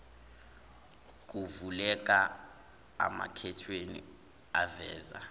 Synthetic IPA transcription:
k̬ʼuvulɛk̬ʼa | a̰ma̰kʰɛtʰwenḭ | avɛ̰ːza̰

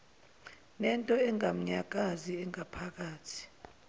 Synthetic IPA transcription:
nɛntʼɔɛŋɡʱam̩ɲaɡ̥̬ʱʼaziɛŋapʰak̬aːtʰi̥

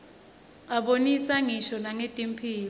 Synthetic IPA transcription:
aɓonisaŋiʃɔnaŋetʼimpʰiːl

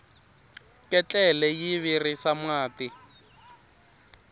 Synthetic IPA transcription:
kʼɛt͡ɬʼɛlɛjiβirisamwaːti

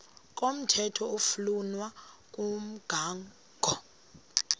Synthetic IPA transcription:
k̬ʼom̩tʰɛtʰɔufulunwakʼum̩ɡ̥ʱaːŋ | ɡ̥ʱɔ

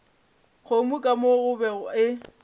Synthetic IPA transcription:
ɣomukʼamoɣʊbɛʊɪ

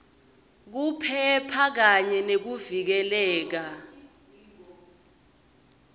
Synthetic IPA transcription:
k̬upʰɛpʰak̬aɲɛnek̬uvik̬ɛlɛːk̬a

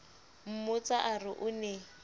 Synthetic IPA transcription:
m̩mʊt͡saʔarɪʔʊnɛ

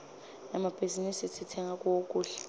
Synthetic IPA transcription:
ɛmab̥ʱizinisisʰitʰɛŋɡʱakʼuwokʼuːɬɛ̥

